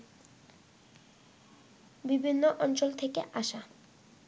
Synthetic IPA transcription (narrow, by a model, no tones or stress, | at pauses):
bibʱinːoʔɔnt͡ɕolt̪ʰekeʔaʃa